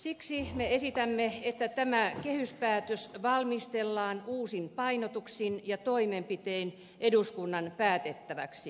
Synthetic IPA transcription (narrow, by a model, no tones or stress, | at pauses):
siksimeesit̪æmːeet̪ːæt̪æmækehyspæːt̪øsʋɑlmist̪elːɑːnuːsinpɑinot̪uksinjɑt̪oimempit̪ein | ʔeduskunːɑnpæːt̪et̪ːæʋæ̰ksi